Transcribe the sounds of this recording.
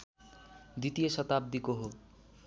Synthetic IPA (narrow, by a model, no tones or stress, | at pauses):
d̪it̪ijesʌt̪ab̚d̪ikoɦo